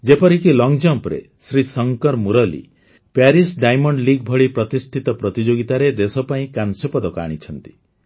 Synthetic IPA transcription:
d͡ʒepɔɾikilɔŋd͡ʒɔpɾḛ | sɾisɔŋkɔɾmuɾɔlḭ | paɾisɖajmɔɳɖliɡ̚bʱɔɭipɾɔt̪isʈʰit̪ɔpɾɔt̪id͡ʒoɡit̪aɾed̪esɔpaĩkansɔpɔd̪ɔka̰ɽ̃it͡ʃʰɔnt̪i̥

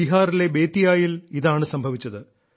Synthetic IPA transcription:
iɦaːɾile̞be̞ːt̪ːijaːjiliðaːɳɨsɐmbʱɐʋit͡ɕːɐðɨ

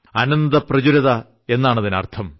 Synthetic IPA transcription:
ɐnɐnd̪ɐprɐd͡ʑuɾɐðɐ | e̞nːaːɳɐðinɐ̰rt̪ʰɐm

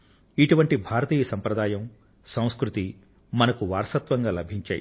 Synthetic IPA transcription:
iʈuʋɐɳʈibʱaːɾɐt̪iːjɐsɐmpɾɐd̪aːjɐm | sɐ̃w̃skɾut̪i | mɐnɐkuʋaːɾsɐt̪ʋɐŋɡaːlɐbʱiɲt͡ʃa̰ːjḭ

